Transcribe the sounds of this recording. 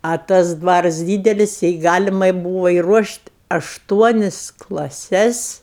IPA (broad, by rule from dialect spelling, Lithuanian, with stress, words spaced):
oː ˈtɐs ˈdʋɑːrɐs ˈdʲiːdʲɛlʲɪs jɛɪ ˈɡɑːlʲɪmɐɪ ˈbuːʋoː ɪruɔʃʲtʲ ɐʃˈtuɔnʲɪs klˠɐˈsʲɛs